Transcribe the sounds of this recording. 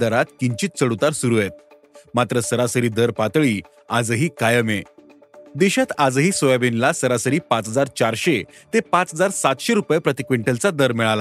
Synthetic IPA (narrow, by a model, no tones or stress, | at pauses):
d̪əɾat̪kiɲt͡ɕiːt̪̚t͡səɽut̪aɾsuɾuet̪̚ | mat̪ɾəsəɾasəɾiːd̪əɾpat̪ɭiː | ad͡zəɦiːkajəme | d̪eɕat̪ad͡zəɦiːsojabinlasəɾasəɾiːpat͡sɦəd͡zaɾt͡ɕaɾɕet̪epãt͡sɦəd͡zaɾsat̪ɕeɾupjpɾət̪ikʋeɳʈəlt͡sad̪əɾmiɭala